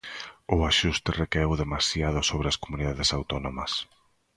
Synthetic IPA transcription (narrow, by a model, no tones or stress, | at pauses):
ʊaʃust̪ɪrekɛwðemasjað̞ʊsoβɾeaskomuniðaðesawt̪ɔnomɐs